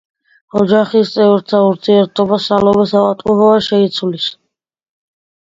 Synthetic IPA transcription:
ɔd͡ʒaχist̪sʼɛvɾt̪ʰauɾt̪ʰiɛɾt̪ʼʰɔbasalɔbɛsaqʼat̪ʼuɦɔaʃɛit̪sʰulis

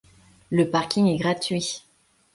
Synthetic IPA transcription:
ləpaʁkʲiŋɛɡʁat̪ɥi

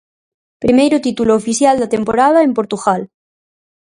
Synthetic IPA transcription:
pɾimejɾot̪it̪uloːfiθjald̪at̪ẽmpoɾað̞aempo̞ɾt̪uɣal

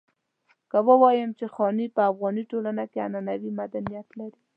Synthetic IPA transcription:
kəwəwɑjəmt͡ʃexɑnipəafɣɑniʈolanakea̰nanawimad̪anijat̪laɾi

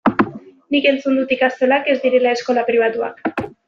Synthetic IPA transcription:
nike̞nt͡sund̪ut̪ikast̪e̞lake̞zd̪iɾe̞lae̞sko̞lapɾiβ̞at̪ua̰k

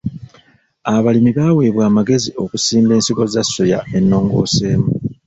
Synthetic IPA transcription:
aβalimiβaːweːβwaːmaɡe̞zio̞kusiːmbe̞ːnsiɡo̞zasːo̞ja̰e̞nːo̞ːŋɡo̞̰ːse̞ːmu

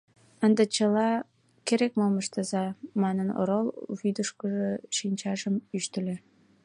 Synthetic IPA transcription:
ə̆nd̪ə̆t͡ɕə̆lɑ | keɾekmomə̆ʃt̪ə̆zɑmɑnəno̰ɾolˠβyd̪əʃkə̆ʒɤ̆ʃinʲt͡ɕɑʒəmyʃt̪ɘ̆lʲe

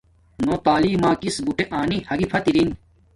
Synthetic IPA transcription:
nõːt̪aːliːmaːkisbuʈeʔaːnihɐɡipʰɐt̪iɾin

